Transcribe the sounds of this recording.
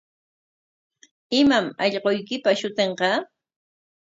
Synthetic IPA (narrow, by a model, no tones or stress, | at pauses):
ɪmamɑʎqojkɪpaʃʊt̪eɴqɑ